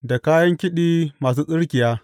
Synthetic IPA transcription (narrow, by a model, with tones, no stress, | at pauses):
da˨kaː˦jɐ˦ŋkʲɪ˦ɗiː˦maː˨s̬uː˦sʼɪ˦ɽkʲɪ˨jaː˦